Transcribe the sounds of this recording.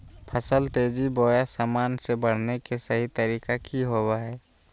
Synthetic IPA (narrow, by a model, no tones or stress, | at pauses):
pʰəsəlt̪eːd͡ʒiboːjasaːmaːnsebəɽ̤nekesəɦit̪əɾiːkakʰiɦowaɦɛː